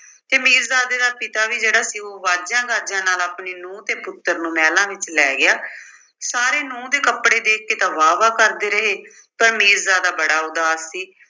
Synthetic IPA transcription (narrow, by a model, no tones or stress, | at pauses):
t̪eːmiːɾzaːd̪eːd̪aːpɪt̪aːʋiːd͡ʒeːɽaːsiːoːʋaːd͡ʒãːɡaːd͡ʒãːnaːlaːpɳeːnũːt̪eːpʊt̪ːəɾnũːmɛːlãːʋɪt͡ʃlɛːɡɪjaː | saːɾeːnũːd̪eːkəpɽeːd̪eːkkeːt̪ãːʋaːʋaːkəɾd̪eːɾəɦeː | pəɾmiːɾzaːd̪aːbəɽaːʊd̪aːsːiː